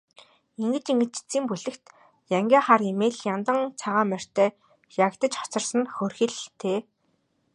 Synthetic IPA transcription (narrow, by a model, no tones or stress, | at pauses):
iŋɡɘ̆t͡ɕiŋɡɘ̆t͡ɕi̥t͡siːmpuɮɘ̆kt̪ | jaŋɡʲæːχaremeːɮjant̪ə̆ŋt͡sʰaʁaːmær̥ʲt̪ʰœː | jakt̪ə̆t͡ɕχɔ̥t͡sɞ̆rsə̆nxorxĭɮt̪ʰeː